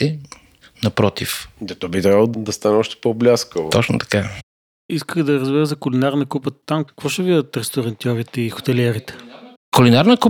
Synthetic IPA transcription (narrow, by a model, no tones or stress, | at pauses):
ɛ | nɐpɾɔt̪ifd̪ɛt̪ɔbit̪ɾʲabəlˠod̪ɐst̪anɛɔʃt̪ɛ̥poblʲaskəlot̪ɔt͡ʃno̰t̪ɐ̥ka | iskəɣd̪ɐɾɐzbiɾəzɐkʊlinaɾnɐkupət̪amkə̥kv̥ɔʃɛvid̪ət̪ɾɛst̪oɾɐnt̪ʲjɔɾit̪ɛixo̥t̪ɛlɛɾit̪ɛ̥ | kʊlinaɾnəku